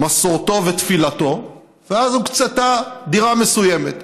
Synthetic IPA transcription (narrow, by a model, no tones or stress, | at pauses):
masoʁt̪o̞vet̪filat̪o̞ | veazukt͡set̪ad̪iʁame̞suje̞met̪